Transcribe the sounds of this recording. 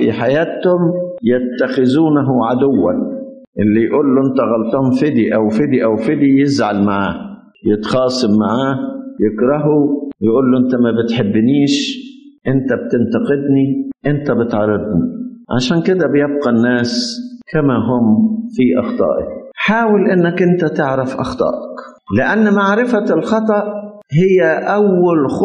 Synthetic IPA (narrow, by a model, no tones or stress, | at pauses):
fḭħajaːt̪hʊmjat̪ːaxɪzuːnaɦʊʕad̪ʊwːa̰n | ʔɪlːijʔuːlːuʔɪnt̪aɣɑlt̪ˤʊhʊmfɪd̪iʔawfɪd̪iʔawfɪd̪ijɪzʕalmaʕaːh | jɪt̪xɑːsˤɨmːaʕaːhjɪkɾˤɑɦujʔuːlːuʔɪnt̪amabɪt̪ħɪbːniːʃʔɪnt̪ab̚t̪ɪnt̪ɑqɪd̪niʔɪnt̪abɪt̪ʕɑɾˤːɑd̪niʕa̰ʃaːnkɪd̪abjɪb̚qɑnːaːskamaɦʊmfiʔɑ̰xt̪ˤɑ̰ːʔɑ̰kħaːwɪlʔɪnːakʔɪnt̪at̪ɪʕɾɪfʔɑ̰xt̪ˤɑ̰ːʔɑk | lɪʔanːmaʕɾɪfalxɑt̪ˤɑʔ | hɪjːaʔawːalx